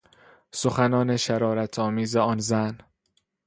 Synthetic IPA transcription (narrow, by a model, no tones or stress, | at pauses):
soxænɒːne̞ʃæɾɒːɾæt̪ʰɒːmiːzeɒːnzæn